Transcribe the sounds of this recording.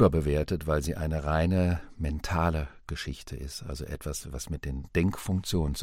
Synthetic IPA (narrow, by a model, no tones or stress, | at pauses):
bɐbəveːɐtətv̥aɪlziːʔaɪnəʁaɪnəmɛntʰaːləɡ̥əʃɪçtʰə̰ʔɪ̰stʔa̰lzoʔɛtv̥asva̰smɪt̚d̥eːnd̥ɛŋkfʊŋk̚t͡sjoːnənt͡s